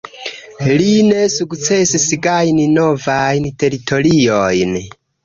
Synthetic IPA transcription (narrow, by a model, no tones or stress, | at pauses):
line̞sukt͡se̞sisɡajninovajnte̞ɾitʰo̞liojn